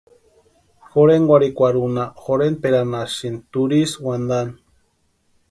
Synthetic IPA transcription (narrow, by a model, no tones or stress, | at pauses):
xoɾeŋɡwʷaɾikʷaɾunaxoɾenpeɾanaʃint̪uɾiswand̪an